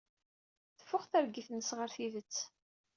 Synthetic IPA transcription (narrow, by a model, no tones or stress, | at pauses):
θə̥fːʊχθæɾɡiθnəsʁəɾθiðət͡sː